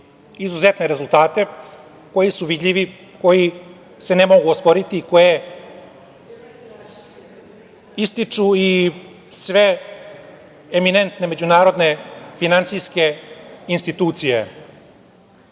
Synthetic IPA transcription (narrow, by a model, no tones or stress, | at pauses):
izuze̞t̪ne̞ɾe̞zulˠt̪aːt̪e̞ | ko̞jisuʋid̪ʎʲiʋi | ko̞ji | se̞nemo̞ɡuospo̞ɾit̪iko̞je̞ | ist̪it͡ʂui | sʋe | emine̞nt̪ne̞me̞d͡ʑunaːɾo̞d̪ne̞finant̪sijske̞inst̪it̪uːt̪sijḛ